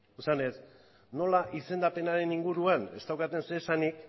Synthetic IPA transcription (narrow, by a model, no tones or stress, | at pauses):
usane̞s | no̞laʔise̞nd̪ape̞naɾe̞niŋɡuɾuane̞̰st̪awkat̪e̞nsesanik